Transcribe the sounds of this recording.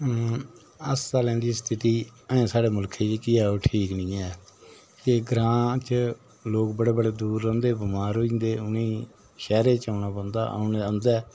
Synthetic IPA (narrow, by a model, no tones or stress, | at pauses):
əsːaːlɛ̃ːnd̪iːst̪ʰɪt̪iːəẽːsaːɽeːmʊlkʰeːt͡ʃkɪɛːoːʈʰiːknĩːɛː | keɡɾãːt͡ʃ | loːkbəɽeːbəɽeːd̪uːɾə̃ːnd̪eːbɪmaːɾɦoːĩːnd̪eːʊnĩː | ʃɛːɾeːt͡ʃaːnaːbə̃nd̪a̰ːʔa̰ʊneə̃nd̪ɛː